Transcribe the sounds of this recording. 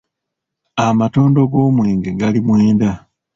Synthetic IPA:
amato̞ːndo̞ɡo̞ːmweːŋɡeɡalimweːnda

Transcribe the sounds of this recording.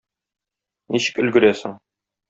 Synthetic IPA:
niɕɘ̥̆kɵ̆lɡɘ̆ɾæsɘŋ

